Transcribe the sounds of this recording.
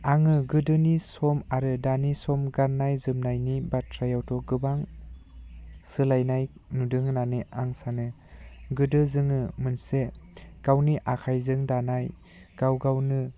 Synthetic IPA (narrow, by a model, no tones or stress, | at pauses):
aŋɯɡɯdɯnisɔmaɾɯdanisɔmɡaɾnːajzɯmnajnibatʰɾajawtʰɔɡɯbaŋ | sɯlajnajnudɯŋnanɯʔaŋsanɯ | ɡɯdɯzɯŋɯmɯnseɡ̥awniʔakʰajzɯŋdanaj | ɡ̥awɡawnɯ